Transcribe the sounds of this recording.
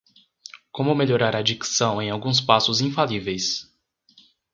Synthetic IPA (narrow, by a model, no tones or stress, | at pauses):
kõmʊmeʎoɾaɾad͡ʒiksɐ̃w̃ẽj̃awɡũs̬pasʊzĩfalivejs